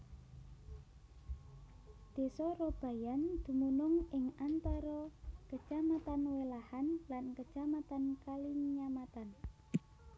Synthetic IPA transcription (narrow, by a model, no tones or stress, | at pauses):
d̪̥e̤sɔrob̥a̤jand̪̥ṳmunʊŋɪŋant̪aɾɔkə̥d͡ʒ̥amat̪anwelahanlankə̥ʒ̥amat̪ankaliŋɲamat̪an